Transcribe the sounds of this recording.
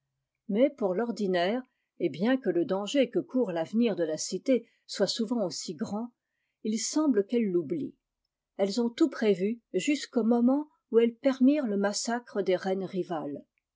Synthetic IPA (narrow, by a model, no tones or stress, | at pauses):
mɛpuʁlɔʁd̪inɛːʁ | ebjɛ̃kələd̪ɑ̃ʒekəkʰuʁlavniʁd̪əlasit̪e | swasuvɑ̃osiɡʁɑ̃ | ilsɑ̃bləkɛlːublḭ | ɛlzɔ̃t̪upχevyʒyskomɔmɑ̃ | uɛlpɛʁmiːʁləmasakχəd̪eʁɛnʁival